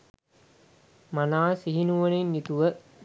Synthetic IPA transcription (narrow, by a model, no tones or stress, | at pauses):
manaːsiɦinuʋənenːit̪uʋə